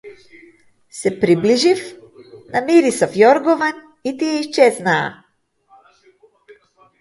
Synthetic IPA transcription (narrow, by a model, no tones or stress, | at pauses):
sɛpɾibliʒif | namiɾisafjɔɾɡɔvan | it̪ijɛiʃt͡ʃɛzna̰ː